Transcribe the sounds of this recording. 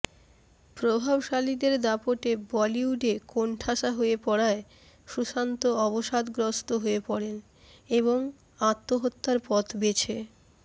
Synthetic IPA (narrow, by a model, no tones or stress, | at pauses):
pɾobʱabʃalid̪eɾd̪apoʈebɔliuɖekoɳʈʰaʃaɦoepɔɽae | ʃuʃant̪oɔboʃad̪ɡɾost̪oɦoepɔɽen | eboŋ | at̪ːoɦot̪ːaɾpɔt̪ʰbet͡ɕʰe